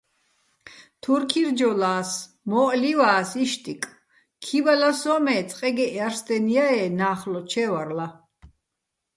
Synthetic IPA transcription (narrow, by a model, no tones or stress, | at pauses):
t̪ʰuɾkʰiɾd͡ʒɔlaːs | mɔːʔliwaːsiʃt̪ʼikʼ | kʰibalasɔːmɛːt͡sʼqʼɛɡɛʔaɾst̪ɛniaɛːnaːχlɔt͡ʃʰɛvaɾla